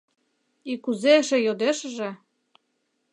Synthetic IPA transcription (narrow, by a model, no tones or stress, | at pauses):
ikuzeʃĕjod̪eʃə̆ʒĕ